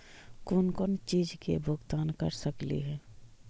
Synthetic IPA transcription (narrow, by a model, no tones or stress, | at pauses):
kʊnkʊnt͡ʃiːd͡ʒkḛbʱʊɡt̪aːnkɐ̰ɾsəklḭɦɛː